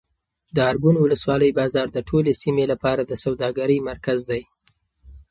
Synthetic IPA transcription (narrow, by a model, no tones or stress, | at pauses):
d̪əɑɾɡʊnwʊləswɑləjbɑzɑɾd̪əʈʰolesimelapɑɾad̪əsawd̪ɑɡaɾəjmaɾkazd̪aj